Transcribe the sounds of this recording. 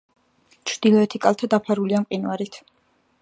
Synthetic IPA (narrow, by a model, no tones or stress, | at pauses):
t͡ʃʰɾd̪̥ilˠɔɛt̪ʰikʼalˠt̪ʰad̪apʰaɾuliamqʼinaɾit̪ʰ